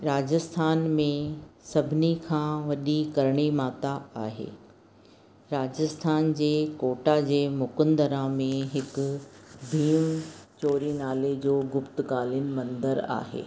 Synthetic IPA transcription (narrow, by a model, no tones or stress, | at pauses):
ɾaːd͡ʑəst̪ʰaːnmẽsɐbʱɪnikʰãːʋɐɗikɐɾɽ̃imaːt̪aaːɦḛː | ɾaːd͡ʑəst̪ʰaːnd͡ʑeːkoːʈad͡ʑeːmʊkənd̪əɾamẽɦɪkʊbʱiːmt͡ɕoːɾinaːled͡ʑoːɡʊpt̪ɡaːlənɪ̆mɐ̃nd̪əɾa̰ːɦḛː